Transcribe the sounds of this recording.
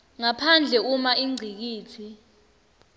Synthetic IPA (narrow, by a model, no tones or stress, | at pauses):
ŋapʰand͡ɮʱɛumaʔiŋ͡ǀʱik̬iːtʰi